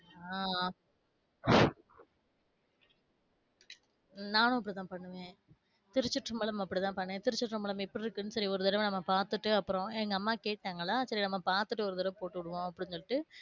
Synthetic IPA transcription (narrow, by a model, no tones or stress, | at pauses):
aː | naːnʊ̃ɐpːɐɽit̪ãːpɐɳːɯʋẽː | t̪ɪɾɯt͡ʃːɯʈːɾɯmbɐlɐmɐpːɐɽit̪ãːpɐɳːẽːt̪ɪɾɪt͡ʃːɪʈːrɯmbɐlɐmɪpːɔɽɪɾɯkːɯnːɯsɐɾiɔɾɯðɪɽɐmnɐmːɐpaːɾt̪ɯʈːɯɐpːɯɾõɛŋɡɐɐmːaːkeːʈːaːŋɡɐɭːaːsɐɾinɐmːɐpaːɾt̪ɯʈːɯɔɾɯðɪɾɐmpoːʈːɯʋɪɽɯʋõːɐpːɐɽɪɲsɔɭɪʈːɯ